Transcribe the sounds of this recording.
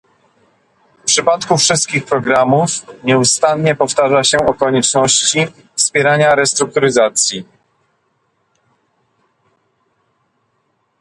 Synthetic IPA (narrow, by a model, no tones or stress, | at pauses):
fpʂɘpat̪kufʂɘst̪̚kʲixpɾɔɡɾamufɲɛust̪anɲɛpɔft̪aʐaɕɛɔkɔɲɛt͡ʂnɔɕt͡ɕi | fspʲjɛɾaɲaɾɛst̪ɾuk̚t̪uɾɘzat̪sʲji